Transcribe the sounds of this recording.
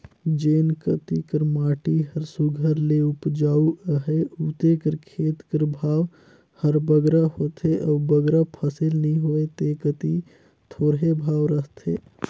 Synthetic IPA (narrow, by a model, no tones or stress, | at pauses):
d͡ʒeːnkət̪ikəɾmaːʈiɦəɾsuɡʱəɾleʊpd͡ʒaːuʔəɦeuːt̪ekəɾkʰeːt̪kəɾbʱaːʋ | həɾbəɡɾaɦoːt̪eʔɔːbəɡɾapʰəsɪlnəɦĩɦoːet̪ekət̪i | t̪ʰoːɾɦebʱaːʋɾəɦt̪ʰḛː